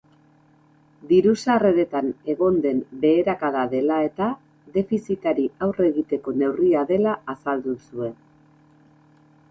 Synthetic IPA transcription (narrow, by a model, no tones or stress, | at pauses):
d̪iɾusare̞ɾe̞t̪ane̞ɣo̞nd̪e̞mbe̞ːɾakaðaðe̞lae̞t̪a | ðe̞fisit̪aɾiawre̞ɣit̪e̞ko̞ne̞wriaðe̞laːsald̪usue̞n